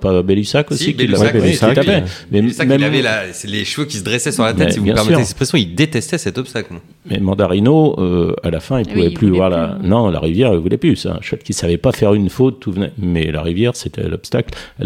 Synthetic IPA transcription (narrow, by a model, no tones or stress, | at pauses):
pabɛlysakosiilːaɛsit̪apɛmɛmɛmavɛlasleʃvøkʲisəd̪ʁɛsɛsyʁlatmɛtɛsivubjɛ̃pɛʁsmɛyːʁeɛspχesɔ̃ild̪et̪ɛst̪ɛsɛt̪ɔpst̪akl | mɛmɑ̃d̪aʁinoøa̰lafɛ̃ilpuvɛplyvwaʁlanɔ̃la̰ʁivjɛʁilvulɛplysã̰ʃwɛt̪̚kʲilsavɛpafɛʁynfot̪ːuvnɛmɛla̰ʁivjɛʁset̪ʰɛ̰lɔpst̪aklɛ